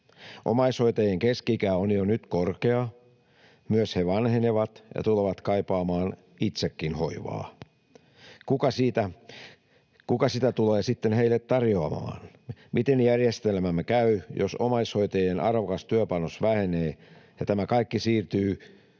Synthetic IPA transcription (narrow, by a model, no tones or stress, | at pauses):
ʔo̰mɑishoit̪ɑjeŋkeskiikæːonjonyt̪korkeɑ | myøsheʋɑnheneʋɑt̪jɑ̰t̪uleʋɑt̪kɑipɑːmɑːn | it̪sekːinhoiʋɑ̰ː | kukɑsiːt̪æ | kukɑsit̪æt̪uleːsit̪ːenheilːet̪t̪ɑrjoɑmɑ̰ːnmit̪enjærjest̪elmæmːekæyjo̰somɑishoit̪ɑjenʔɑrʋokɑst̪yøpɑnosʋæheneːjɑt̪æmækɑikːisiːrt̪yː